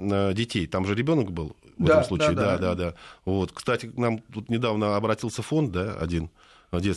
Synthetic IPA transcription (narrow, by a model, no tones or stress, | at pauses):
ədʲɪtʲejt̪amʐɨɾʲɪbʲo̞nəkbɨlˠvɛt̪əmslut͡ɕɪɪd̪d̪ad̪ad̪avo̞t̪kst̪atʲɪknamvut̪nʲɪd̪avnəɐbɾɐtʲilˠsʲəfo̞nt̪̚d̪aɐ̰dʲin | dʲe̞t̪